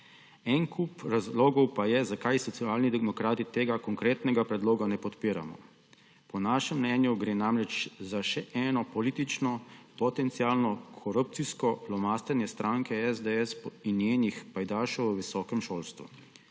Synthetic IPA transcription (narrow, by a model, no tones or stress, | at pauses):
ɛnkupɾazloːɡɔwpajɛzakajsɔt̪siaːlnid̪ɛmɔkɾaːt̪it̪eːɡakɔŋkɾeːt̪nɛɡapɾɛd̪loːɡanɛpɔt̪piːɾa̰mɔ̰ | pɔnaːʃɛmːnɛnjuɡɾeːnamɾɛt͡ʃzaʃɛʔɛːnɔpɔliːt̪it͡ʃnɔpɔt̪ɛnt̪siaːlnɔkʰɔɾup̚t̪siskɔlɔmast̪ɛnjɛst̪ɾaːŋkɛɛzd̪ɛɛsinjeːnixpajd̪aːʃɔwʋəʋisɔːkɛmʃoːlst̪ʋṵ